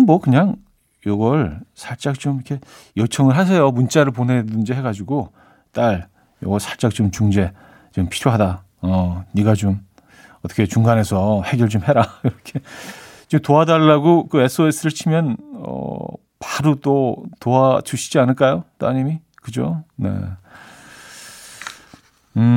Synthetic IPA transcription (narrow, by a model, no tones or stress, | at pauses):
ommʌkɯɲaŋ | joɡʌɭsʰaɭt͡ɕ͈ak̚t͡ɕ͈omkʰe̞ | jʌt͡ɕʰʌŋɯɭɦas̬ʰejomunt͡ɕ͈aɾɯɭpone̞dɯnd͡ʑiɦe̞ɡad͡ʑiɡo | t͈aɭ | jʌ̰ɡʌɭsʰaɭt͡ɕ͈ak̚t͡ɕ͈omt͡ɕuŋd͡ʑe̞ | t͡ɕompʰiɾjoɦada | ʌniɡat͡ɕom | ʌt͈ʰʌkʰet͡ɕuŋɡanɦe̞sʰʌhe̞ɡjʌɭt͡ɕomhe̞ɾaiɾʌkʰe̞ | t͡ɕomtoadaɭːaɡokɯe̞s͈ʰoes͈ʰɯɾɯɭt͡ɕʰimjʌnʌ̰ | paɾot͈otoat͡ɕuɕʰi̥d͡ʑianɯɭk͈ajot͈oaɲimi | kɯd͡ʑone̞̰